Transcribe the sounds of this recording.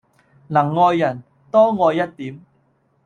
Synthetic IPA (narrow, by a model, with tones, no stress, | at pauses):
lɐ˨˩ŋːɔː˧jːɐ˨˩n | t̪ɔː˥ŋɔː˧jːɐ˥t̚t̪iː˨˥m